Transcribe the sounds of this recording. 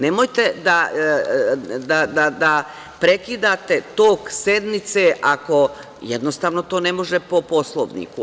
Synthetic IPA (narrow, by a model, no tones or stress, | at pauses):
nemojt̪ed̪a | d̪ad̪ad̪a | pɾe̞kid̪at̪e̞t̪oːkse̞d̪mit̪seʔako̞ | jed̪nost̪aːʋno̞t̪o̞ːne̞mo̞ʒepo̞po̞slˠoʋnḭku